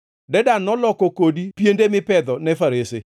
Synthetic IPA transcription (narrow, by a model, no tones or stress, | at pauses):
dɛdanɔlɔkokodipjendemɪpɛd̪ɔnɛfaɾɪsɪ